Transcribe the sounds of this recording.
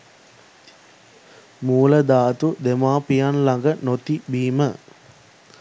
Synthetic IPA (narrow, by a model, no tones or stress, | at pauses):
muːləd̪aːt̪ud̪emaːpijanlaŋɡənot̪ibiːmə